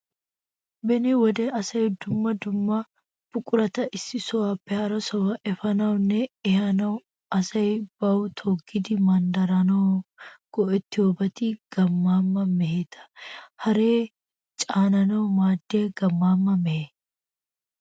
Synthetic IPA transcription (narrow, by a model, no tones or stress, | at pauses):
bɛniwɔd̪ɛɐsɐjd̪ʊmːɐd̪ʊmːɐ | b̥ʊkʼʊɾɐt̪ɐʔɪsːɪsɔwaːpːɛhɐɾɐsɔwɐʔɛfɐnɐwʊnːɛɛhɐnɐw | ɐsɐjb̥ɐwt̪ʰoːɡːɪd̪ɪmɐnd̪ɐɾɐnɐɡ̥ɔʔɛt̪ːɪoːbɐt̪ɪɡ̥ɐmːaːmːɐmɛheːt̪ʰɐ̥hɐɾeː | t͡ʃʼaːnɐnɐwmaːd̪ːeːɡɐmːaːmːɐmɛheː